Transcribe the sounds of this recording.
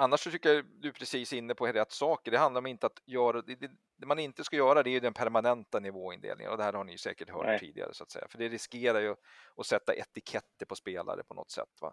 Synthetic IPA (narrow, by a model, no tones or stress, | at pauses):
anːaʂɔt̪ʰʏkːad̪ɵpʰɾɛsiːsɪnːəpʰɔɾɛt̪ːsɑːkəɖɛhand̪laɾɔmɪnt̪əat̪jœːɾad̪ɛd̪ɛ | d̪ɛmanɪnt̪əskajœːɾad̪ɛæɾjɵd̪ɛnpʰæɾmanɛnt̪anɪvoːɪnd̪ḛːlɪ̰ŋə̰nɔd̪ɛhæːɾhaɳɪjɵsɛ̰ːkəʈhœ̰ːḭːd̪ɪ̰ɡa̰ɾə̰sʊat̪sɛ̰jːafœɖɛɾɪskeːɾajɵ | ɔsɛt̪ːa̰ʔɛt̪ɪkʰɛt̪ːəɾpʰɔspeːla̰ɾə̰pʰɔnɔ̰t̪sɛ̰t̪ːva̰